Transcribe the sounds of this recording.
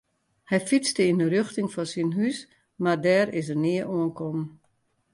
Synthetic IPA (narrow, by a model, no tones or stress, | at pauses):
hɛjfit͡stəindərøxtɪŋfɔsinɦys | mardɛːɾɪsənɪəʔoənkʰɔm